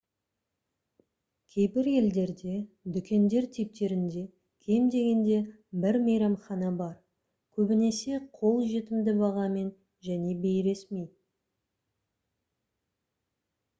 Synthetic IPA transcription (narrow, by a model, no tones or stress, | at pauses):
kʲʰe̞jbɪɾe̞ld̪e̞ɾd̪e̞ | d̪ʏkʲe̞nd̪e̞ɾt̪ʰip̚t̪e̞ɾɪnd̪e̞ | kʲʰejmd̪e̞ɡʲe̞nd̪e̞ | bɪɾmejɾɑmχɑnɑbɑɾ | kʲʰɵbɪne̞se̞qʰo̞lˠʒe̞t̪ɪmd̪ɪbɑʁɑme̞n | ʒæne̞bejɾe̞sme̞j